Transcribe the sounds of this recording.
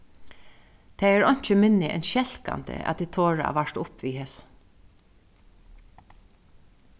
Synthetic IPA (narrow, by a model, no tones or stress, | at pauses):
t̪ʰɛːɛɹɔɲ̥t͡ʃəmɪnːɪʔɛ̰nʃɛl̥ka̰nt̪ə̰ʔæ̰t̪d̪iːt̪ʰoːɹa̰aʋaʂt̪ʊpʋiːhes